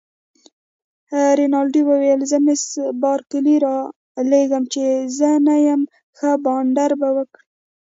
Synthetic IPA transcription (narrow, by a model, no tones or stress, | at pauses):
ɾinɑlɖiwəwejəlzəmɪsbɑɾkɪliɾɑ | leɡəmt͡ʃezənajam | xəbɑɳɖaɾbawəkɽ